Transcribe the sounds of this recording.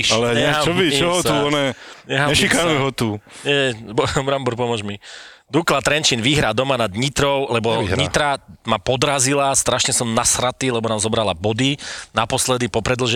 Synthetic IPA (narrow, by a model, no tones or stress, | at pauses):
ʃalɛɲɛɛɦat͡ʃmɔʋit͡ʃɔɦɔt̪uɔnɛɲɛɦaɲɛʃikanuɦɔt̪uɲɛbɔbɾambɔɾpɔmʊɔʒmid̪uklat̪ɾɛnt͡ʃiːnʋiɦɾaːd̪ɔmanad̪ɲit̪ɾɔʊlɛbɔɲit̪ɾamapɔd̪ɾazilast̪ɾaʃɲɛsɔmnasɾat̪iːlɛbɔnaːmzɔbɾalabɔd̪inapɔslɛd̪ipɔpɾɛd̪lɔʒɛ